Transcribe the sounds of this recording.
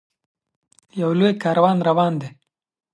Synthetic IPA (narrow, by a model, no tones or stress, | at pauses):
jawlojkɑːɾawɑːnɾawɑːnd̪e